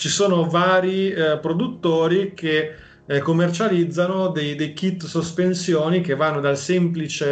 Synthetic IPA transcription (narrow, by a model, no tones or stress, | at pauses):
t͡ʃisoːnovaːɾipɾod̪ut̪ːoːɾik̟e | komːert͡ʃalid̪zːanod̪ejd̪ejkit̪ːsospensjoːnikevːanːod̪alsɛmplit͡ʃe